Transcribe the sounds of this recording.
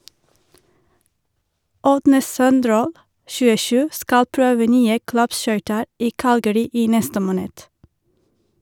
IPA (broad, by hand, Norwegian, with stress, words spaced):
ˈʔɔdnə ˈsœnˌdɾoːl ʃʉːəˈʃʉː ˈskɑl ˈpɹøːʋə ˈnyːə ˈklɑpˌʃœʏtəɹ ˈʔiː ˈkɑlɡəɾɪ ˈiː ˈnɛstə ˈmoːnəd